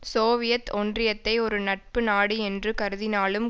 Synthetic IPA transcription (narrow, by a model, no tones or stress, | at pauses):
soːʋɪjɐt̪ːɔndrɪjɐt̪ːɐɪɔɾɯnɐʈ̚pɯnaːɽiɛndrɯkɐɾɯðɪnaːlɯm